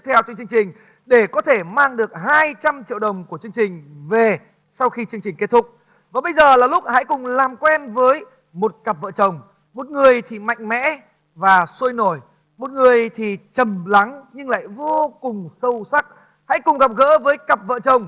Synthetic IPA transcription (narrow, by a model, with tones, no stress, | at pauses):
t̪ʰɛ˧wt͡ɕŋt͡ɕɨ˧əŋt͡ɕï˨˩ŋ̟ | ɗe˧˩kɔ˨˦t̪ʰe˧˩maː˧ŋɗɨ˨˩ək̚ɦaː˧jt͡ɕa˧mt͡ɕḭ˧˨wɗə˨˩wŋ͡mku˧˩ət͡ɕɨ˧əŋt͡ɕï˨˩ŋ̟ve˨˩ | sa˧wxi˧t͡ɕɨ˧əŋt͡ɕi˨˩ŋ̟ke˦˥t̪̚ʰʊ˦˥k͡p̚ | vaː˨˩ɓə˧jzəː˨˩laː˨˩lʊ˦˥k͡p̚ha̰˧˥jkʊ˨˩ŋ͡mlaː˨˩mkwɛ˧nvəː˨˦j | mo˨˩t̚kə˨˩p̚və̰˧˨t͡ɕə˨˩wŋ͡m | mo˨˩t̚ŋɨ˨˩əjt̪ʰi˨˩ma̰˧˨jŋ̟mɛ̰˧˥ | vaː˨˩su˧jno˧˩j | mo˨˩t̚ŋɨ˨˩əjt̪ʰi˨˩t͡ɕə˨˩mla˨˦ŋɲɨ˧ŋla̰ː˧˨jvo˧kʊ˨˩ŋ͡msə˧wsa˦˥k̚ | ha̰˧˥jkʊ˨˩ŋ͡mɣa˨˩p̚ɣə̰ː˧˥vəː˨˦jkə˨˩p̚və̰ː˧˨t͡ɕə˨˩wŋ͡m